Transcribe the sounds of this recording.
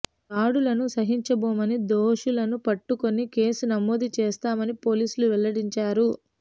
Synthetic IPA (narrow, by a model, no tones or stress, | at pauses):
aːɽulɐnusɐɦiɲt͡ʃɐboːmɐnid̪oːʂulɐnupɐʈːuko̞nike̞ːsunɐmːoːd̪it͡ʃeːst̪aːmɐnipo̞ːliːsuluʋɛlɐɽiɲt͡ʃaːɾu